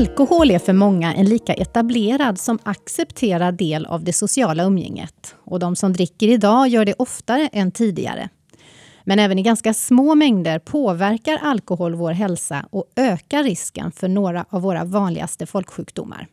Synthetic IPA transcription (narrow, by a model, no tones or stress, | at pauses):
alkʊhoːlɛfœɾmɔŋːaʔɛ̰nliːkaʔɛt̪ableːɾad̪sɔmaksɛpt̪ʰeːɾaɖeːla̰vd̪ɛsʊsɪɑːlaɵmjɛ̰ŋːə̰t̪ɔd̪ɔmsɔmd̪ɾɪkːəɾɪd̪ɑːjœːɖɛʔɔft̪aɾəʔɛnt̪ʰiːd̪ɪ̰ɡa̰ɾə̰ | mɛnɛːvənɪɡanskasmoːmɛŋd̪əɾpʰoːvæɾkaɾʔalkʊɦoːlvoːɾɦɛlsa̰ɔøːkaɾɪskə̰nfœɳoːɾaʔavːoːɾa̰vɑːnlɪ̰ɡa̰st̪əfɔlkɧʉ̟ːkd̪ʊ̰mːa̰ɾ